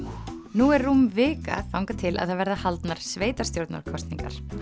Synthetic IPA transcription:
nuɛɾːumvɪːka̰θawŋkat̪ʰɪlʔa̰ðθavɛɾðahalt̪naɾ̥sveːjt̪aɾ̥st̪jowɾt̪na̰ɾ̥kʰɔst̪niŋka̰ɾ̥

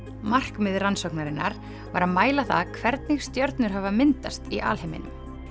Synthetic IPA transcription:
mar̥kmɪðransɔknaɾɪnːa̰ɾ̥ | va̰ɾaðmaːjlaθaðkʰvɛɾt̪nɪxst̪jœɾt̪nʏɾ̥ɦavamɪnt̪ast̪iʔa̰ːlhemɪ̰nʏm

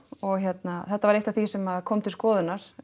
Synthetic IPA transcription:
ɔɣçjɛt̪naθɛht̪ːavaɾejht̪aθisɛmaðkʰɔːmt̪ʰɪlskɔːðʏnaɾ̥

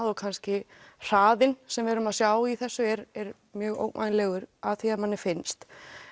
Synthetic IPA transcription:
ðɔkʰanscɪr̥aːðɪnsɛmvɛɾʏmaðsjawiθɛsːʏɛɾɛɾ | mjœːɣo̰ːwkma̰jnlɛɣʏɾaðθiaðmanːɪfɪnst̪

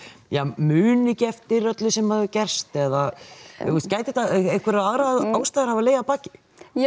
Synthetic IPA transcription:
jamʏːnɪcɛft̪ɪɾœt̪lɪsɛmhaðʏcɛr̥st̪ɛða | ɛst̪caːjt̪ɪht̪aɛ̥kʰvɛɾaðaɣɾaaːwst̪ajðɪɾ̥havaleːjɣapaːcɪ̥

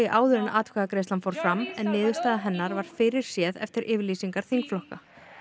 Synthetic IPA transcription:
iʔaːwðʏɾɪnaʔaːt̪kʰɛːðakɾeːjst̪lanfoːwɾ̥fɾamːɛnːɪːðʏ̥st̪aːðaɦɛnːaɾvaɾ̥fɪɾɪɾ̥sjɛːðɛ̰ft̪ɪɾʔɪːvɪɾliːsiŋkaɾ̥θiŋkflɔhka

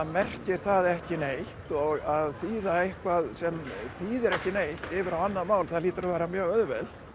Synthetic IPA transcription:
mɛr̥cɪɾ̥θaðɛhcɪnejht̪ɔɣaðθiːðaehkvaðsɛmθiːðɪɾɛhcɪnejht̪ɪːvɪɾawanːaðmaːwlθaðliːt̪ʏɾavɛːɾamjœːɣœðvɛl̥t̪

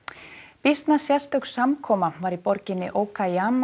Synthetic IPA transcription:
pist̪nasjḁst̪œwksamkʰɔːmavaɾipɔɾcɪnːɪ̰ʔoːwkʰajaːm

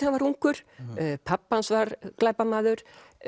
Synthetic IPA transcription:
avaɾuŋkʏɾ̥pʰapːansvaɾklajpamaːðʏɾ̥

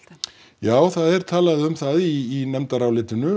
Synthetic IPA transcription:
jaːwθaðɛɾ̥t̪ʰaːlaðɪʏmθaðiːnɛmt̪aɾaːwlɪːt̪ɪnʏ

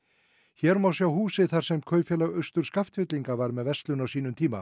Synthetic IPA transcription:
çɛɾmawsjawhuːsɪðθaɾ̥sɛmkʰœːɥfjɛlaɣœɥst̪ʏɾ̥skaft̪fʏt̪liŋkavaɾmɛðvɛst̪lʏnawsiːnʏmt̪ʰiːma̰

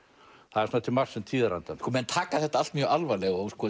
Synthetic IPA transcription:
θaðɛɾsɔnat̪ʰɪlmar̥sɪnt̪ʰiːðaɾant̪ankɔmɛnt̪ʰaːkaðθɛht̪aalt̪mjœalvalɛɣowskɔː

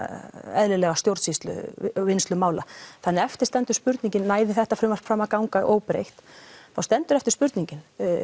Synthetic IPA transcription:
ɛðlɪlɛɣast̪jowɾt̪sist̪lʏ̰vɪnst̪lʏmaːwlaθanːɪɾɛft̪ɪ̥st̪ɛnt̪ʏɾ̥spʏɾt̪niɲcɪnːaːjðɪθɛht̪afɾʏmafɾaːmːakawŋkaʔo̰ːwpɾḛjxt̪θawst̪ɛnt̪ʏɾɛft̪ɪ̥spʏɾt̪niɲcɪn

